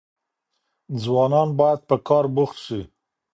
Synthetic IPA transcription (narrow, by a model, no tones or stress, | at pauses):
d͡zwɑnɑnbɑjad̪̚pəkɑɾbuxt̪ʃi